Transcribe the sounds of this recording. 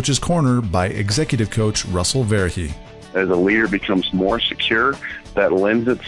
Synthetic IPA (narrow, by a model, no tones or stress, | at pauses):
ɨt͡ʃɨz̥kʰɔɹnə˞baɪʔɨ̰ɡzɛkjɨɾɨv̥kʰoʊt͡ʃɹʌsl̩ˠvɛɹɨkḭ | ɨzəliɾə˞bɨkʰʌ̃mzmɔɹsɨkʰj̥ʊɹðɨtˡlɛ̃nzɨts